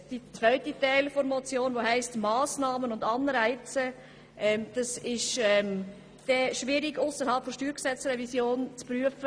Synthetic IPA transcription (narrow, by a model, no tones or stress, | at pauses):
d̥it͡svœʏtitɛɪlfɔɾmɔt͡sjoːnvoɦæɪstmaːsnɑːmənʊndɑnɾæɪt͡sə | ʔɛmd̥ɑsɪʃɛm | d̥ɛʃviːɾɪɡʊsəɾhɑlpfɔʃtyːɾɡ̥sɛt͡sɾɛvisjoːnt͡spɾyəfə